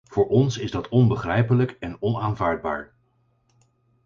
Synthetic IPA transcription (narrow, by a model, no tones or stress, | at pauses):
v̥ʊːɹɔnsɪzdɑtʰɔnbəχrɛjpələkɛnɔnaːnvaːɹd̚ba̰ːɹ